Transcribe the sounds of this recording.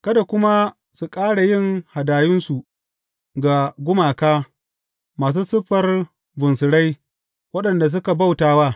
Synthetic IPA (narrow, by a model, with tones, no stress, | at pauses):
kɐ˦da˨kʷʊ˦ma˦ | su˨kʼaː˦ɽa˨jɪ˦˨ŋha˨daː˨jɪ˦nsu˨ | ɡa˨ɡʷʊ˦maː˨kaː˦ | maː˨s̬uː˦sʊ˦ɸɐ˨r | bʊ˨nsɪ˨ɽa˦j | wɐ˦ɗɐ˨nda˨s̬ʊ˦ka˨ba˦˨wtaː˦waː˦